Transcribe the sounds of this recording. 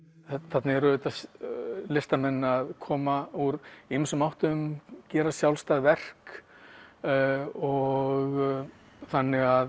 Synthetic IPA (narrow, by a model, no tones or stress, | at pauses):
θat̪nɪɣɛɾʏʏt̪aslɪst̪amɛnːaðkʰɔːmauɾimsʏmawht̪ʏʏmcɛːɾasjawlst̪aɣvɛr̥k | ɔɣ | θanːɪɣað